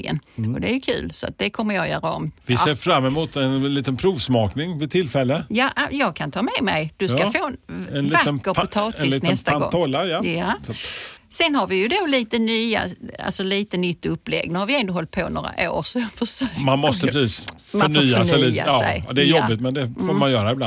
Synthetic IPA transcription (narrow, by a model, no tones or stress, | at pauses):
ɡə̰nɔd̪ɛæjɵkʰʉ̟̰ːlsɔa̰t̪̚d̪ɛkʰɔmːəɾjɑjœːɾaɔ̰mvɪseːɾfɾamːɛmuːt̪ɛnliːt̪ənpʰɾuːvsmɑːknɪŋvɪt̪ʰɪlfɛlːəjɑʔjɑːɡ̚kʰant̪ʰɑːmɛmɛjd̪̥ɵskafoːnɛnlvatəkːəɾɔɑːt̪ɛɪsliːnɛst̪aanɡ̪̰ŋʰɔlːajaja | sɛnɦaɾvɪjɵd̪oliːt̪ənyːa̰a̰lsɔliːt̪ənʏt̪ːɵpːlɛ̰ɡːnʉhaɾvɪɛnd̪əɦɔlt̪̚pʰono̰ːɾa̰ʔo̰ːɾsɔjɑɡfœʂøːmanmɔst̪əpʰɾɛsiːs | mfaɔɳfyːasnɛliːa̰sɛ̰jd̪ɛæɾjɔːɪt̪mɛnd̪ɛfoːmanjœːɾaɪblan